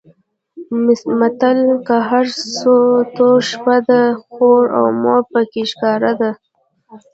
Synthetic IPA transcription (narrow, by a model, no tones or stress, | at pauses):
mat̪alkaɦaɾsot̪oʃpad̪axoɾa̰wmɑpəkeʃkɑɾad̪a